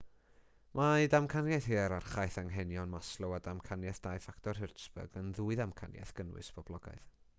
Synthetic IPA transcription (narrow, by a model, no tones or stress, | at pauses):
mʔadamkʰanjajθhiːɛɾarχajθaŋɦɛnjɔnmaslˠɔwadamkʰanjɛθd̥ajfaktʰɔrɦɪrtsb̥ə̰ɡənðuːɨðamkʰanja̰θɡ̥ənwɨ̰sb̥ʰɔb̥lˠɔɡa̰ɨð